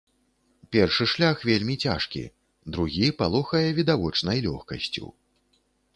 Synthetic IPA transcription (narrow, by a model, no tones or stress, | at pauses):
pʲɛrʂɨʂlʲaxvʲelʲmʲit͡sʲa̰ʂkʲḭ | d̪ɾuɣʲipalˠɔxɐjɛvʲid̪avɔt͡ʂnɐjlʲɔ̰xkɐ̰sʲt͡sʲṵ